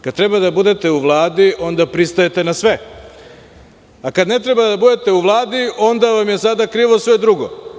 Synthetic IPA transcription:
kad̪̚t̪ɾe̞bad̪abud̪e̞t̪e̞uʋlˠaːd̪iʔo̞nd̪apɾist̪ojet̪e̞nasʋe̞ | akad̪ne̞t̪ɾebad̪abud̪e̞t̪e̞uʋlˠaːd̪io̞nd̪aʋamje̞sad̪akɾiːʋo̞sʋe̞d̪ɾuɡo

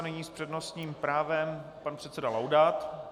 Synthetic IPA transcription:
nɛɲiːspr̝̥ɛdnost̪ɲiːmpɾaːvɛmpanpr̥ɛt̪sɛdalawdat̪

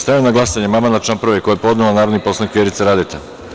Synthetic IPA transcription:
st̪ajinaɡlasaɲemamanat͡ʃampɾroʋekʰojajepo̞d̪nelanaːɾod̪niposlˠanikʲjeɾit̪seɾad̪et̪a

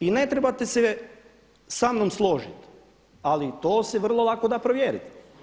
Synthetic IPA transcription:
inet̪ɾebat̪ese | samnomslˠoʒḭt̪ | alit̪oːseʋr̩lˠo̞lˠakod̪apɾoʋjeːɾḭt̪

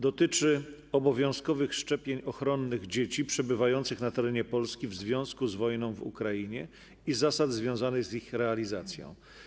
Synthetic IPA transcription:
d̪ɔt̪ɘt͡ʂɘ | ɔbɔvʲjɔ̃w̃skɔvɘxʂt͡ʂɛpʲjeɲɔxɾɔnːɘɣd͡ʑet͡ɕipʂɛbɘvajɔnt̪sɘxnat̪ɛɾɛɲɛpɔlskʲivzvʲjɔ̃w̃skuzvɔjnɔ̃w̃vṵkɾajiɲɛ | izasad̪zvʲjɔ̃w̃zanɘɣzixɾɛalʲizat̪sʲjɔ̰̃w̃

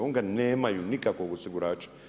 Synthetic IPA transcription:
oŋɡanɛmajunikʼakokusikuɾat͡ʃi̥

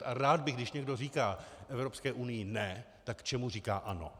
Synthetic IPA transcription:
ʔaɾaːd̪bɪɣɡdɪʃɲɛɡdoriːkaːʔɛvɾo̞pskɛːʔunɪjɪnɛ | t̪akːt͡ʃɛmur̝iːkaːʔano̞̰

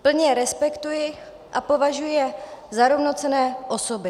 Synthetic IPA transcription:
pl̩ɲɛɾɛspɛkt̪ujɪ | ʔapo̞vaʒujɛzaɾovno̞t͡sɛnɛːʔosobɪ

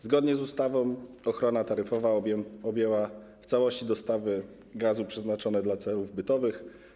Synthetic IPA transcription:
zɡɔd̪ɲɛzust̪avɔ̃w̃ | ɔxɾɔnat̪aɾɘfɔvaɔbjɛwaft̪sawɔɕt͡ɕid̪ɔst̪avɘ | ɡazupʂɛznat͡ʂɔnɛd̪lat̪sɛluvbɘt̪ɔvɘx

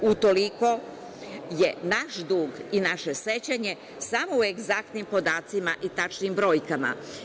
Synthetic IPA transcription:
ut̪o̞liko̞ | je̞naʃd̪uːɡinaʃe̞se̞t͡ɕaɲe̞ | samo̞ueɡzak̚t̪nimpo̞d̪aːt̪simaʔit̪at͡ʃnimbɾo̞ːjkama̰

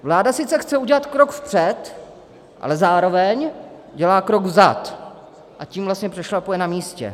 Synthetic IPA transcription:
vlaːdasɪt͡sɛxt͡sɛuɟɛlat̪kɾokfpr̝̥ɛt̪ | ʔa̰lɛzaːɾo̞vɛɲ | ɟɛlaːkɾo̞ɡzat̪ | ʔaciːmvlast̪ɲɛpr̥ɛʃlapojɛnamiːscɛ̰

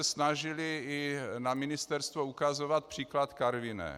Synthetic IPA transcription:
ɛsnaʒɪlɪɪnamɪnɪst̪ɛɾst̪voukazovat̪̚pr̝̥iːklat̪kaɾvɪnɛ̰

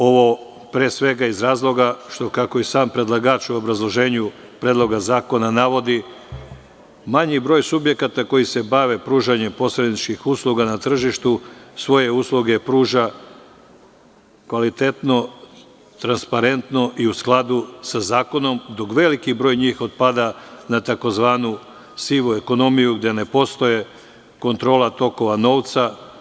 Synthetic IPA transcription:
o̞ʋo̞ | pɾeːsʋe̞ɡaizɾaːzlˠo̞ɡaʃt̪o̞kako̞isaːmpɾe̞d̪lˠaɡaːt͡ʃuobɾazlˠo̞ʒe̞ːɲu | pɾeːd̪lˠo̞ɡazaːko̞nanaʋo̞d̪i | maɲibɾo̞ːjsubje̞kat̪ako̞jise̞baʋe̞pɾuːʒaɲe̞mpo̞sɾe̞d̪it͡ʃkixuslˠuɡanat̪r̩ʒiʃt̪usʋo̞je̞uːslˠuɡe̞pɾuːʒa | kʋalit̪e̞t̪no̞ | t̪ɾanspaɾe̞nt̪no̞ʔiusklˠad̪usazaːko̞no̞md̪o̞kʋe̞likibɾo̞ːjɲiːxod̪pad̪anat̪ako̞zʋaːnu | siʋue̞ko̞no̞mijuɡd̪e̞ne̞po̞st̪o̞je̞ | ko̞nt̪ɾo̞ːlat̪o̞ko̞ʋano̞ːʋt̪sa

